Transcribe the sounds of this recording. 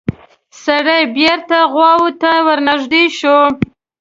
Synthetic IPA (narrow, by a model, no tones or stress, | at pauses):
saɽajbeɾt̪aɣwɑwut̪awəɾnaʒd̪iʃo